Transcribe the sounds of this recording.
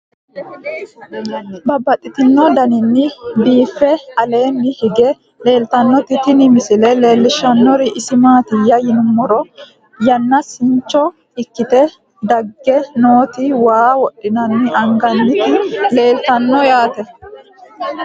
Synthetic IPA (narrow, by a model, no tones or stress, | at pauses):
bɐbːɐt̪ʼːɪt̪ɪnːɔd̪ɐnɪnːɪbiːfːɛɐle̞ːnːɪhɪɡɛ | le̞ːlt̪ɐnːɔt̪ɪt̪ɪnɪmɪsɪlɛle̞ːlːɪʃɐnːɔɾɪʔɪsɪmaːt̪ɪjɐjɪnʊmːɔɾɔ | jɐnːɐsɪɲt͡ʃːɔ | ɪkːɪt̪ɛ | d̪ɐɡːɛno̞ːt̪ɪwaːwɔɗːɪnɐnːɪʔɐŋɡɐnːɪt̪ɪle̞ːlt̪ɐnːɔjaːt̪ɛ